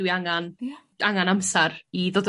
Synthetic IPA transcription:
wiaŋan | aŋanamsɛɾiðoːdə

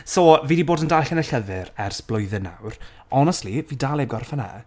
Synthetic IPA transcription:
soːviːdiboːdəndaɬənəɬəðɨɾɛrsb̥lˠʊjðɨna̰wr | ɔnɛstˡlˠiviːdaːlˠebɡɔrfana̰

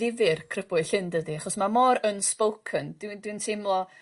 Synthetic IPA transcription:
ɪvɪrkʰrəb̥ʊɨ̥ɬɪndədiaχɔsmamɔɾənspowkʰənd̥windwintʰejmlˠɔ

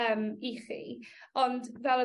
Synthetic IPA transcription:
əmiχḭ | ɔndvɛlˠə

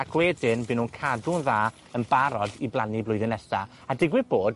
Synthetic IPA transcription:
akʰwɛdɪnbɨnuːnkʰadunðaː | ənbaɾɔdiblˠaniblʊɨðɨnɛsa̰ | adɪɡwɨboːd̚

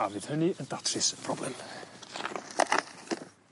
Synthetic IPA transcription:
avɨð̥hənɨənd̥atʰrɪspʰrɔblɛ̰m

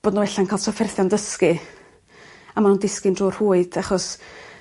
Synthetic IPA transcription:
b̥oːdnuwɛɬankʰaːlˠsɔfɛrθjandəskɨ | amanuːndɪskɨndruːr̥huːɨd̥aχɔs

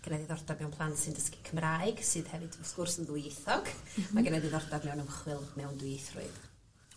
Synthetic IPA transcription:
ɡ̥ənɛðɪðɔrdabmɛwnpʰlˠantsɨndəskikʰəmraːɨɡsɨðhɛvɨdʰmɔskʊrsənðʊjeθɔɡ̥maɡənɛdɪðɔrdadmɛwnəmχwɪlˠmɛwndʊjeθrʊ̰ɨð̥

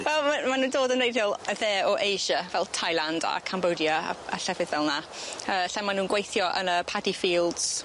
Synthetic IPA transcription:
wɛlˠmamanuːndoːdənejdjɔlˠðɛːɔʔejʒəvɛlˠtʰajlˠanda̰kʰambodjəa̰a̰ɬɛvɪðvɛlˠna | əːɬɛnmanuːnɡwejθjɔʔə̰nəpʰadifiːlˠdz̥

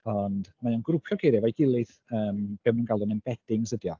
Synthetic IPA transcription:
ɔndmajɔnɡɾʊpʰjɔɡejɾɨvajɡɪlˠɨθ | əːmb̥ɛmnuːnɡ̥alˠdɔnɛnb̥ɛd̥ɪŋsədjɔ

